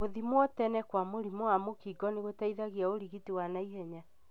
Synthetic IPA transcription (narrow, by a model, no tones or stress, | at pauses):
oðimwɔtɛnɛkwamoɾimoamokiɡɔneɣotaiðaɣiaoɾiɣitiwanaiɦɛɲa